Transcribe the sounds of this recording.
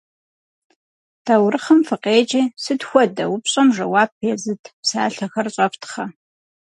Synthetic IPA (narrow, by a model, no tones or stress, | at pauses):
d̥ɐwɾɨχɐmfɨqeːd͡ʒiːsɨdxʷɔdɐ̰wʊpɕʼɐmʐɐwaːb̚ʰeːzɨtʰpsa̰ːɬɐxɐrɕʼɐptʰχɐ